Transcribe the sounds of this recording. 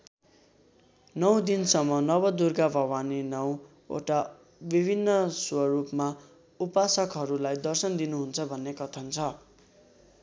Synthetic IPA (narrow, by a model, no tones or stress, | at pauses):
nʌw̃d̪insʌmːʌnʌbʌd̪urɡabʱʌwaninʌw | o̰ʈa | bibʱinːʌswʌɾupma | upasʌkɦʌɾulajd̪ʌrsʌnd̪inuɦunt͡sʰʌbʱʌnːekʌt̪ʰʌnt͡sʰʌ